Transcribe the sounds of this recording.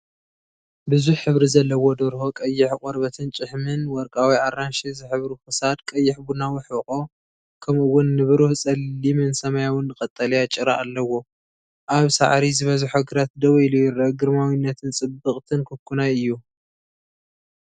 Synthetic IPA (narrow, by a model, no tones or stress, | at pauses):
bɨzuħħɨβɾizɐlːɐwod̪oɾhokʼɐjːɪħkʼoɾβɐt̪ʰɨnt͡ʃʼɨħmɨnwɔɾkʼawiʔaɾːanʃizɨħɨβɾuxɨsad̪kʼɐjːɪħbunawɪħɨkʼo̞ | kʰɐmɨwʊnːɨβɨɾuhsʼɐlːimɨnsɐmajawʊnːɨkʼɐt̪ʼːɐlɐjat͡ʃʼɪɾaʔːlːɐwo̞ | ʔaβsa̰ʕɾizɨβɐzɨħoɡɨɾat̪̚d̪ɐwɐjlujɪɾɐɡɨɾmawinːɐt̪ʰɨnt͡sʼɨbːɨχʼt̪ʰɨnkʰɨkːunajɨjːu